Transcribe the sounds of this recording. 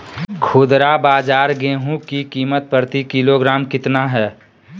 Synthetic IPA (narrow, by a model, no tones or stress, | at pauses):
kʰʊd̪ɾabaːd͡ʒaːɾɡẽːɦũkikiːmət̪̚pəɾt̪ikiloɡɾaːmkɪt̪naɦɛː